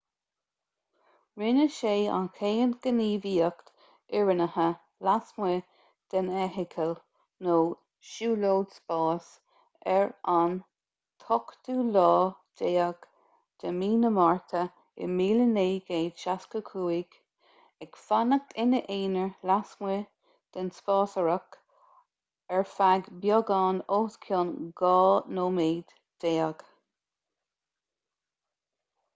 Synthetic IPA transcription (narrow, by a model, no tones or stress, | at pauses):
ɹɪnəʃeːa̰nkʰeːənɡ̥əniːviːəkt̪ | ɪɹənəhə | lasmwə | d̪̥ənɛɦɪkʰəl | noː | ʃuːloːdspɑːs | ɛɹan | t̪ʰɔkd̪̥uːlɑːd̪eːəɡ | d̪̥əmiːnəmɑɹt̪ʰə | ɪ̰miːləneːɡeːd̥ʃaskəkʰuːiɡ̥ | ɛkfanək̚t̪ʰɪnəʔeːnəɹlasme | d̪̥ənspɑːsəɹək | ɛɹfaɡbjɔɡɑːnoːskʰjoːnɡɑːnoːmeːd̪̥ | d̪̥eːəɡ̥